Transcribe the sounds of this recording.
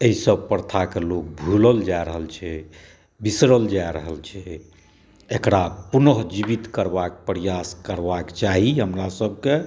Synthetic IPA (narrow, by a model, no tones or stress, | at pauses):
eɦisəb̚pəɾt̪ʰakelok̚bʱuləld͡ʒaeɾəɦəlt͡ʃʰɛ | bisɾəld͡ʒaeɾəɦəlt͡ʃʰɛ | ekɾapunəɦd͡ʒibit̪kəɾbakepɾijaskəɾbakt͡ʃaɦiɦəmɾasəb̚ʱke